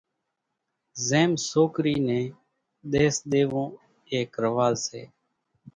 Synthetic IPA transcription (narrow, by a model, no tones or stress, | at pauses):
zeːmsoːkɾiːnẽː | ɗ̪eːsɗ̪eːʋõː | eːkɾəʋaːlsḛː